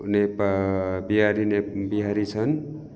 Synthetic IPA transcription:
nepabiɦaɾinebiɦaɾit͡sʰʌn

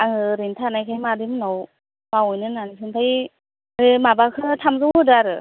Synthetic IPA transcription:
aŋɯɾintʰanajkʰajmadimnow | mawujnɯnanisʰɯntʰaj | ɯmabakʰɯtʰamzɯwdɯaɾɯ

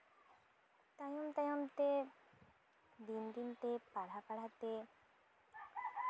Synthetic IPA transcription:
t̪ajɔmt̪ajɔmt̪e | d̪ind̪int̪epaɽ̤apaɽ̤at̪e

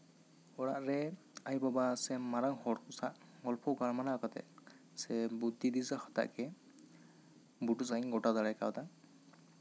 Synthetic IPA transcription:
ɔɹaʔɹɛ | ajbabasɛmaɾaŋhɔɹkʊsaʔɡɔlpʰɔkaɹmanakɔtɛ̰ | sɛbudidizaxɔ̥ta̰ʔkɛ | butus̬ajŋɡɔtadaɹajka̰wta

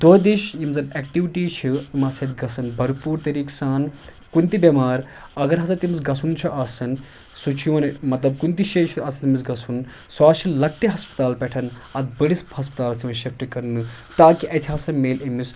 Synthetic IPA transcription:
d̪oɦd̪iʃjimzɐnek̚ʈiʋiʈiːt͡ʃʰiimɐsɐt̪ɡɐsɐnbʱɐɾupuːɾt̪ɐɾiːksaːn | kunt̪ibɐmaːɾ | ɐɡɐɾɦɐsɐt̪imisɡɐsunt͡ʃʰuʔɐːsɐn | sut͡ʃʰijoːnmɐt̪lɐb̚kunt̪iʃeːt͡ʃʰiɐsʰɐt̪imisɡɐsun | saːt͡ʃʰilɐk̚ʈiɦɐspɐ̥t̪aːlpɛʈʰɐn | ɐt̪̚bəɽishɐspɐ̥t̪aːlsimɐnʃɐfʈikɐɾnɨ | t̪aːkiʔɐt̪ʰiɦaːsɐnmeːlimis

